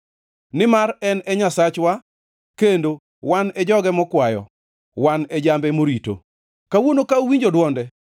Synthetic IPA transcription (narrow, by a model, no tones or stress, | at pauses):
nɪmaɾɛnɛɲasat͡ʃwa | kendo | wanɛd͡ʒɔɡɛmɔkwajɔ̰ | wanɛd͡ʒambɛmoɾito̰ | kawonokaowiɲd͡ʒodwɔndɛ